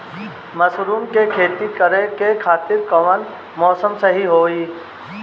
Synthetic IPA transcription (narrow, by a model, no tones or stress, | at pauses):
mɐsɾuːmkekʰeːt̪ikəɾẽkekʰaːt̪ɪɾkɐʋən | mɔːsəmsɐɦiɦoːiː